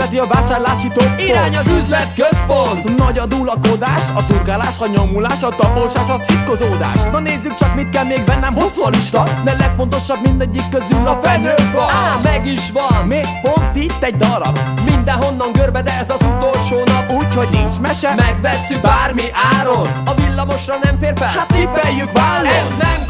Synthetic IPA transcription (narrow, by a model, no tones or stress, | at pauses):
ɛt̪iɒvaːʃaːrlaːʃiːt̪oːiɾaːɲɒzyzlɛt̪køzpont̪nɒɟɒd̪uːlɒkod̪aːʃɒzurɡaːlaːʃɒɲo̞mulaːʃɒt̪ɒpoʃaːʃɒsit̪kozoːd̪a̰ːʃnɒneːzːykt͡ʃɒkmit̪̚kɛlmeːɡbɛnːɛmɦosuɒliʃt̪ɒd̪ɛlɛkfo̞nt̪o̞ʃɒbmind̪ɛɟːikːøzyːlɒfɛlːøːɔmɛɡiʃvɒnmeːɡpo̞nt̪it̪ːɛɟ̚d̪ɒɾɒ̰bmind̪ɛɦo̞nːɒŋkørbɛd̪ɛɛzɒzut̪olʃoːnɒpuːcho̞ɟniɲt͡ʃmɛʃɛmɛɡvɛsːykbaːrmiʔaːɾot̪ɒvilːɒmo̞ʃrɒnɛmfeːrfɛlat̪ifɛjːykʋaːlːoɛsnɛm